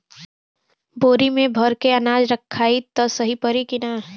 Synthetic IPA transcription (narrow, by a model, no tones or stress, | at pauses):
boːɾimẽbʱɐɾkeɐnaːd͡ʒɾɐkʰːaːit̪ɔsɐɦipəɾikɪna